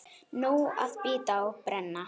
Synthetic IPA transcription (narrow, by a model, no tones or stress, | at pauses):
nowa̰ðpiːt̪awpɾɛnːa